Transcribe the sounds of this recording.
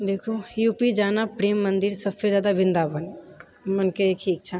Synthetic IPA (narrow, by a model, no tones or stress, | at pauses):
d̪eːkʰojuːpid͡ʒaːnapɾeːmːə̃nd̪ɪɾsəbsezjaːd̪abɪ̃nd̪abən | mənkeekʰiːkt͡ʃʰa